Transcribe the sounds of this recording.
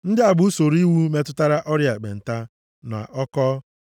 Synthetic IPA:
n̩˦dɪ˦a˨bʊ˦so˨ɾi˦wu˦me˦tʊ˦ta˦ɾa˦ʔɔ˦ɾja˨ɡ͡bḛ˨n̩˨ta˦ | n˨a̰˨ʔɔ˦kɔ˦

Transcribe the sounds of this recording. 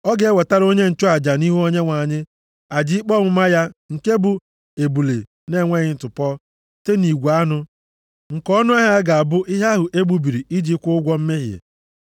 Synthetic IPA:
ɔ˦ɡe˨e˦we˨ta˦ɾo˦ɲe˦n̩˨t͡ʃʊ˦a˨d͡ʒa˨ni˦ɦu˦o˦ɲe˦ŋʷa˨ɲɪ˦ | a˨d͡ʒɪ˦k͡pɔ˦ŋʷʊ˦ma˦ja˦ŋ̩˨ke˦bʊ˨ | e˨bu˨lḛ˨ | ne˦˨ŋʷe˦ɣɪ˨n̩˨tʊ˨pɔ˦ | te˦ni˨ɡʷa˦nʊ˦ | ŋ̩˨kɔ˦nʊ˦a˦ɦja˦ɡa˨a˨bʊ˦ʔɪ˦ɦa˦ɦʊ˨ʔe˦ɡ͡bu˦bi˨ɾi˨i˦d͡ʒi˦kʷʊ˦ʊ˦ɡʷɔ˦m̩˦me˦ɦjḛ˨

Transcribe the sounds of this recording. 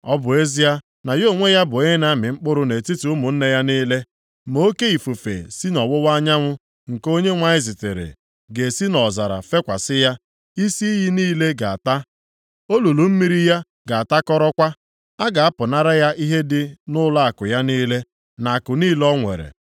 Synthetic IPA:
ɔ˦bʊ˨e˦zi˦a˦ | na˨jo˦˨ŋʷe˦ja˦bʊ˨e˦e˦na˦mɪ˨ŋ͡m̩˦k͡pʊ˦ɾʊ˦ne˨ti˦tu˨ʊ˦mʊ˨n̩˦ne˦ja˦niː˦le˦ | mo˦o˦ke˦i˨fu˨fḛ˨si˦nɔ˨wʊ˦wa˦ɲa˦ŋʷʊ˦ | ŋ̩˨ko˦ɲe˦ŋʷa˦ɪ˦zi˨tḛ˨ɾḛ˨ | ɡe˨si˦nɔ˨za˨ɾa̰˨fe˦kʷa̰˨sɪ˦ja˦ | i˦si˦i˦ɦi˦niː˦le˦ɡa˨a̰˨ta˦ | o˦lu˨lu˨m̩˦mi˦ɾi˦ja˦ | ɡa˨a˨ta˦kɔ˦ɾɔ˦kʷa˦ | a˦ɡa˨a˦pʊ˨na˦ɾa˦ja˦ʔi˦ɦe˦dɪ˦nʊ˦la˦a˨kʊ˨ja˦niː˦le˦ | na˨kʊ˨niː˦lɔ˦ŋʷḛ˨ɾḛ˨

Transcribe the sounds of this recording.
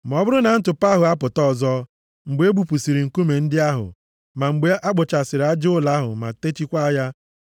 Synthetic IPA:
m˨ɔ˦bʊ˦ɾʊ˦na˨n̩˦tʊ˨pa˦ɦʊ˨a˦pʊ˨tɔ˦˨zɔ˦ | ŋ͡m̩˨ɡ͡be˨˦e˦bu˨pu˨si˨ɾi˨ŋ̩˨ku˦me˨n̩˦dɪ˦a˦ɦʊ̰˨ | ma˨ŋ͡m̩˨ɡ͡be˨˦ʔa˦ɡ͡bʊ˨t͡ʃa˨sɪ˨ɾa˦d͡ʒʊ˦la˦ɦʊ̰˨ma̰˨te˦t͡ʃi˦kʷa˦ja˦

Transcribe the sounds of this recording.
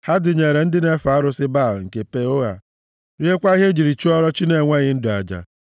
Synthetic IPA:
ha˦dɪ˨ɲe˨ɾe˨n̩˦dɪ˦ne˦fa˨˦ɾʊ˦sɪ˦ba˦˨lŋ̩˨ke˨pe˦o˦ɣa̰˨ | ɾje˦kʷa˦i˦ɦe˦d͡ʒi˨ɾi˨t͡ʃu˦ɔ˦ɾɔ˦t͡ʃi˦ne˨ŋʷe˦ɣɪ˦n̩˦dʊ˨a̰˨d͡ʒa̰˨

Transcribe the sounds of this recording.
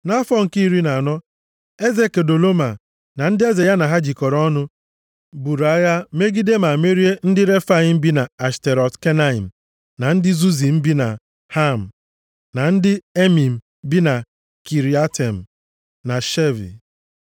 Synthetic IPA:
na˦fɔ˦ŋ̩˨ki˦i˦ɾi˦na˨a˨nɔ˦ | e˦ze˦ke˨do˨lo˦ma˨ | na˨n̩˦dɪ˦e˦ze˨ja˦na˨ɦa˦d͡ʒi˨kɔ˨ɾɔ˦nʊ˦ | bu˨ɾa˨˦ja˦me˦ɡi˦de˦ma˨me˦ɾi˦e˦n̩˦dɪ˦ɾe˦fa˦i˦m̩˦bi˦na˨a˨ste˨ɾɔ˨tke˦na˦i˨m̩˨ | na˨n̩˦dɪ˦zu˦zi˨m̩˦bi˦na˨ | ha˦m̩˨ | na˨n̩˦dɪ˦e˦mi˨m̩˨ | bi˦na˨ | ki˨ɾi˨a˦te˨m̩˨ | na˨ʃe˦vḭ˨

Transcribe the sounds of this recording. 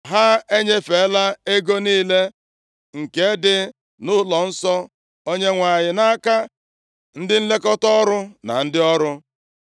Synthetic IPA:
ɦa˦e˦ɲe˦fe˨˦la˦e˦ɡo˦niː˦le˦ | ŋ̩˨ke˦dɪ˦ | nʊ˦lɔ˨n̩˦sɔ˦ | o˦ɲe˦ŋʷa˨ɲɪ˨na˦ka˦ | n̩˦dɪ˦n̩˦le˦kɔ˦tɔ˦ɾʊ˦na̰˨n̩˦dɪ˦ɔ˦ɾʊ˦

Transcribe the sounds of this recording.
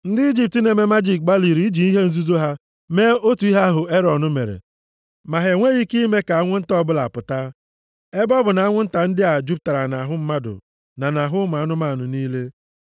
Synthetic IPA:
n̩˦dɪ˦i˦d͡ʒi˦˨p̚ti˨ne˨me˦ma˦d͡ʒi˦˨k̚ɡ͡ba˦li˨ɾi˨i˦d͡ʒi˨i˦ɦe˦n̩˦zu˦zo˦ɦa˦ | meː˦o˦tu˨i˦ɦa˦a˦ɦʊ˨e˦ɾɔ˨nʊ˦mḛ˨ɾḛ˨ | ma˨ɦe˨ŋʷe˦ɣi˦ki˦me˦ka˨a˦ŋʷʊ˦n̩˦tɔ˦bʊ˦la̰˨pʊ˨ta˦ | e˦bɔ˦bʊ˨na˨˦a˦ŋʷʊ˦n̩˦ta˨n̩˦dɪ˦a˨d͡ʒu˦p̚ta˨ɾa˨na˨ɦʊ˦m̩˦ma˦dʊ̰˨ | na˨na˨ɦʊ˦m˨a˨˦nʊ˦ma˦˨nʊ˨niː˦le˦

